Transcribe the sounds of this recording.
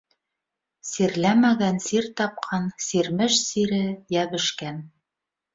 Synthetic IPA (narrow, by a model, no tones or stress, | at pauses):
siɾlæmæɡænsiɾt̪ɑp̚qʰɑnsiɾmɘʃsiɾɘjæβɘ̆ʃkæn